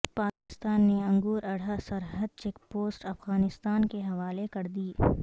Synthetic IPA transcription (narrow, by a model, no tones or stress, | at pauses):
paːkɪst̪aːnːeɐ̃ŋɡuːɾɐɽ̤asɐɾɦəd̪̚t͡ʃeːk̚poːsʈɐfɣaːnɪst̪aːnkeɦɐʋaːlekɐɾd̪iː